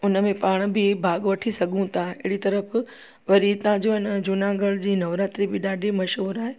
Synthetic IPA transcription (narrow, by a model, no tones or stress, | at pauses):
ʊnəmẽpaːɽ̃bɪbʱaːɡʋɐʈʰisɐɡʱũt̪ʰaɪɦɪɽit̪ɐɾəf | ʋɐɾit̪ãd͡ʑoɪnəd͡ʑʊnaɡəɽd͡ʑiːnɐʋɾaːt̪ɾibɪɗaːɖimɐʃɦoːɾaːɦeː